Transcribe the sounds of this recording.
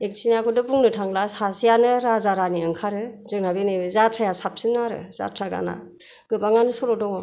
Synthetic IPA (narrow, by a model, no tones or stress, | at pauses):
ek̚sʰiniakʰɔdɯbuŋnɯtʰaŋlahasijanɯɾazaɾaniɯŋkʰaɾɯzɯk̚nabenɯbɯzatʰɾajasap̚sɯnaɾɯ̰z̥a̰tʰɾaɡa̰na̰ | ɡɯbaŋanɯsɔlɔdɔŋɔ